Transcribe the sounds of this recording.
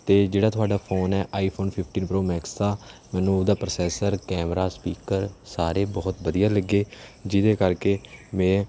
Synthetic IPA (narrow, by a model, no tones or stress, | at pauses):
t̪eːd͡ʒeːɽaːt̪ʰʊaːɖaːpʰoːnɛːʔaːiːpʰoːnpʰɪpʰʈiːnpɾoːmɛːkst̪aːmɛ̃ːnũːd̪aːpɾəsɛːsəɾkɛːmɾaːspiːkəɾsaːɾeːbɔːt̪bəd̪ijaːləɡeːd͡ʒɪd̪eːkəɾkeːmɛ̃ː